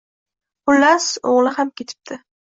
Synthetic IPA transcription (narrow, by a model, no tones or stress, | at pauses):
qʊlːasoʁlɪhamkʲe̞t̪ʰɪ̥p̚t̪ʰɪ